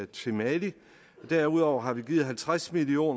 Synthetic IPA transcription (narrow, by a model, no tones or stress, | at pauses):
t͡sʰe̝mæli | ɒd̥æɐuð̞̰ˠɒʊ̰ɐɦɑ̈ʋiɡ̥iːð̩ˠɦælt͡sʰʁasmilio̝̰ːn